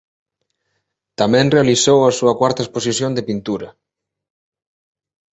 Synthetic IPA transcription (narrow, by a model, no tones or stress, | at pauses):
t̪amɛ̃nrealisowɐsuɐkwaɾt̪aesposisjond̪epint̪uɾɐ